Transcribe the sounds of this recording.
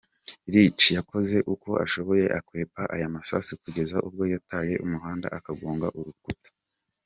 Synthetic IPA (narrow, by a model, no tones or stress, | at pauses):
ɾit͡ʃijako̞ze̞ʔuko̞ʔa̰ʃo̞βo̞je̞ʔakwe̞ːpaʔajamasa̰sikuɟe̞zaʔub̚ɡo̞jataːje̞ʔumuɦaːnda̰ʔakaɡoːŋɡa̰ʔuɾukutḁ